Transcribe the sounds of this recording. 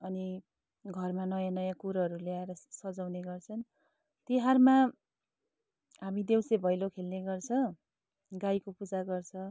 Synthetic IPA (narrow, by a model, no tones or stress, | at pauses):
ʌni | ɡʱʌrmanʌjãnʌjãkuɾɦʌɾuleaeɾʌsʌd͡zawneɡʌrt͡sʰʌn | t̪iɦarma | ɦamid̪ewsebʱʌjlokʰelneɡʌrt͡sʰʌ̃ | ɡaikopud͡zaɡʌrt͡sʰʌ